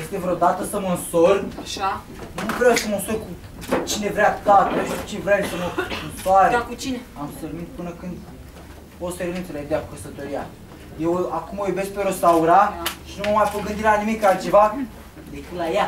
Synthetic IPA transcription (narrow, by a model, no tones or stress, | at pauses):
jest̪evɾod̪at̪əsəmənsoraʃa | numukɾeesemənso̞rku | t͡ʃine̞vɾeat̪at̪ot͡ʃinvɾeasəməɨnsoaɾekut͡ʃineamsermint̪̚pɨnəkɨnd̪ | osermint̪seleed̪eakukəsət̪o̞ɾia̰ | jewakumojube̞sk̚peɾost̪auɾaʃinuməmajpoɡɨnd̪iɾelanimikalt͡ʃe̞va | d̪ekilaja